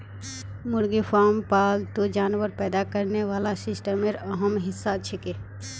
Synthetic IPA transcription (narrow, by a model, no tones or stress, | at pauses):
muɾɡipʰaɾmpalt̪od͡ʒanʋəɾpɛd̪akəɾneʋalasisʈəmeɾəɦəmɦɪsːat͡ʃʰɛke